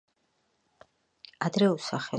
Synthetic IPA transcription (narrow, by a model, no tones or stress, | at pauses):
ad̪ɾɛusaχɛ